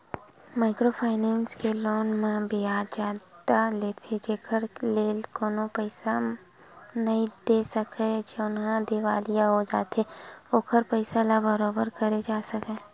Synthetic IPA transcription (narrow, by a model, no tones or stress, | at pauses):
maːɪkɾoːpʰaːɪnɛ̃ːnskeloːnmẽbʱiaːd͡ʒaːd̪aleːt̪ʰed͡ʒeːkʰəɾleːlkoːnopɛɪsa | nɐɦĩd̪eːsəked͡ʒeʊnɦãd̪ɪʋaːlijaɦod͡ʒa̰ːt̪eoːkʰəɾpəɪsalabəɾoːbəɾkɐɾed͡ʒaːsɐkẽː